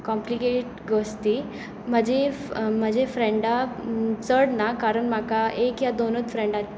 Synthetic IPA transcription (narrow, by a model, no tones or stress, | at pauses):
kɔmplikeʈ̚ɡəst̪i | m̤əd͡ʑʱem̤əd͡ʑʱefɾẽɳɖat͡səɽnakaɾəɳmakaekjad̪onət͡sfɾẽɳɖa